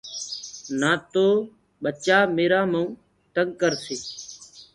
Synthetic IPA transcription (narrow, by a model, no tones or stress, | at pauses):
naːt̪oː | ɓət͡ʃaːmeːɾaːməũː | t̪əŋɡ̚kəɾsiː